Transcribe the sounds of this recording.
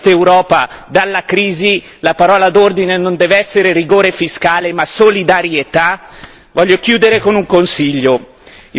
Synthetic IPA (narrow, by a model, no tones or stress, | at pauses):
t̪ewɾɔːpad̪alːakɾiːzi | lapaɾɔːlad̪ord̪inenond̪ɛːveɛsːeɾeriɡoːɾefiskaːlemasolid̪aɾjet̪a | vɔʎːok̟juːd̪eɾekonuŋkonsiʎːo